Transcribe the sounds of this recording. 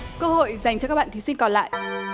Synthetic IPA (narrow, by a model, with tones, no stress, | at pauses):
kəː˧ho̰˧˨jza˨˩jŋt͡ɕɔ˧kaː˦˥ɓa̰ː˧˨t̪i˨˦sï˧ŋ̟kɔ˨˩nla̰ː˧˨j